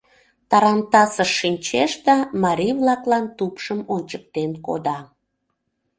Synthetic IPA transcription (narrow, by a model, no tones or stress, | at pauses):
t̪ɑɾɑnt̪ɑsəʃːinʲt͡ɕeʃd̪ɑmɑɾʲiβlɑklɑnt̪upʃəmonʲt͡ɕək̚t̪enko̰d̪ɑ